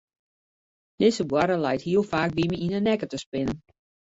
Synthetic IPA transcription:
d̥ɪsəbwaɾəlɛjthiəlˠfaːk̚ʋiməinənɛkətəspɪnən

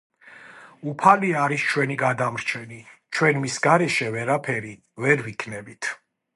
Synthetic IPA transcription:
upʰaliaɾist͡ʃʰwɛniɡad̪amɾt͡ʃʰɛnit͡ʃʰwɛnmisɡaɾɛʃɛvɛɾapʰɛɾi | vɛɾvikʰnɛbit̪ʰ

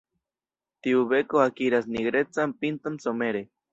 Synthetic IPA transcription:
t̪iuβekoakiɾasniɡɾet͡sampint̪onsomeɾe

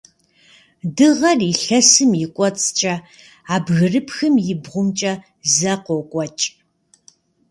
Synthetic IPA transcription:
dɨʁɐriɬɐsɨmjɪkʷʼɔt͡sʼt͡ʃʼɐ | aːbɣɨrɨpxɨmjɪbʁʷʊmt͡ʃʼɐ | zɐqɔkʷʼɔt͡ʃʼ

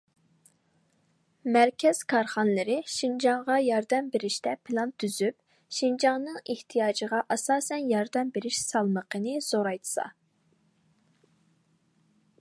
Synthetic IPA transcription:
mæɾkʲʰɛz̥kʰɑɾχɑnlˠɨɾɪʃind͡ʒɑŋʁɑjɑɾd̪ɛmbeɾɪʃt̪ɛpʰɨlˠɑnt̪ʰːyzyp̚ | ʃind͡ʒɑŋnɨŋeht̪ʰijɑːd͡ʒəʁɑʔɑsɑːsɛnjɑɾd̪ɛmbeɾɪʃsɑlˠməqʰənɨz̥oɾɑjt̪ʰɨ̥sɑ̰

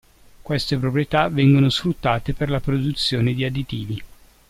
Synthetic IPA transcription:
kwest̪epɾopɾiet̪avɛŋɡonosfɾut̪ːaːt̪eperlapɾod̪ut̪sːjoːned̪iad̪it̪iːvi

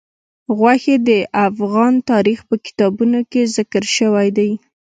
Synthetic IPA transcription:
ɣwaxed̪əʔafɣɑnt̪ɑɾixpəkɪ̥t̪ɑbunokezɪkəɾʃəwajd̪aj

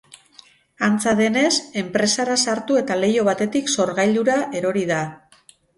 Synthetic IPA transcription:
ant͡saðe̞ne̞se̞mpɾe̞saɾasaɾt̪ue̞t̪ale̞jo̞βat̪e̞t̪ikso̞ɾɣajld̪uɾaʔe̞ɾo̞ɾiða

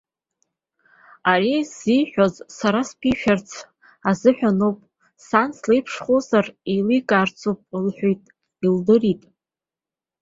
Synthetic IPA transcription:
aɾiziħʷᶣozsaɾaspʰiʃᶣart͡sʰ | azɨħᶣanowpʼ | sanslejpʰʂχozarilikʼaːrt͡sʰopʼlħʷᶣojtʼ | ildɨritʼ

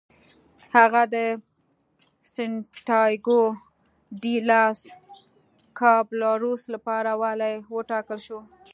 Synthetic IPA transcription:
haɣad̪ə | sɪɳʈɑjɡo | ɖilɑs | kʰɑblɑɾuslapɑɾawalajwəʈɑkəlʃo

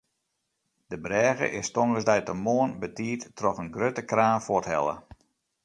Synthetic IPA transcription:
dəbrɛːɣə̰ʔɪstoŋɣəsdɛjtəmoːənbətiːttrɔxənɡrøtəkraːnfɔthɛ̰lˠə̰

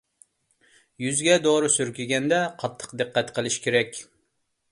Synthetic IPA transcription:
jyzɡʲɛd̪oɾʊsyɾkʲyɡʲɛnd̪ɛqʰɑt̪ʰːə̥qd̪ɨqːɛt̪qʰəlˠɨʃkʲʰeɾɛkʲ

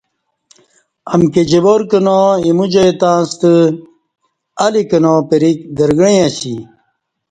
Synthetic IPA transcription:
ɐmked͡ʑeboɾkənoimud͡ʑɐjt̪ãːst̪ə | ɐlikɐnopeɾik̚d̪ɐɾɡɽiaɕi

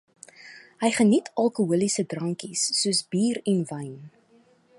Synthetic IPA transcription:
ɦəjχənitʰɐlˠkuɦuəlisədrɐŋkisːuəsbiːɾɛnvɐjn

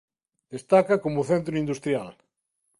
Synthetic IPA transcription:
d̪̥est̪akɐkomʊθent̪ɾʊind̪ust̪ɾjal

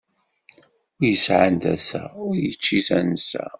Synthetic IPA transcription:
ʊjəsʕant̪æsæ̰ʊɾjət͡ʃːiθænsæ̰

